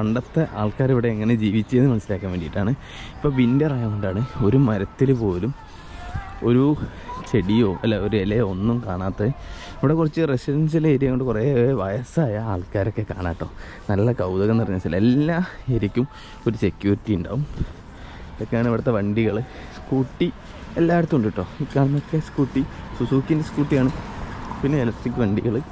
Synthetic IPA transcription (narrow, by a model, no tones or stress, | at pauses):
kɐɳɖɐt̪ːɐʔaːɭkaːɾiʋiɽe̞ːŋːɐne̞d͡ʑiːʋit͡ɕːujɐnɨmɐnɐsːilaːkːaːmʋeːɳɖijiʈːaːɳɨ | ipːo̞ːʋindepɐrɐjaːmoɳɖaːɳɨo̞ɾumɐɾɐt̪ːilpo̞ːlum | o̞ɾut͡ɕe̞ɽijo̞ːʔɐlːɐoɾuelɐjonːumkaːɳaːt̪ːɐ | iʋiɽe̞kːurɐt͡ɕːɨresidɐns̬ileɾjɐŋːoɳɖɨkureːʋɐjɐsaːjɐaːɭkaːɾo̞kːe̞ka̰ːɳaːʈːo̞ː | nɐlːɐkɐwd̪ɐɣɐnɐrɐɲːɐsilelːa | eɾikʲːum | o̞ɾuse̞kʲːjuːritːijuɳɖa̰ːʋum | iðokːejaːɳɨiʋiɽɐt̪ːeʋɐɳɖiɣɐɭɨ | skuːʈːi | elːaːjɽɐt̪ːumoɳɖiʈːo̞ːikːaːɳɐnokːe̞skuːʈːisusuːkːindeskuːʈːijaːɳɨpinːeelɐkʈrikːɨʋɐɳɖiɣɐɭɨ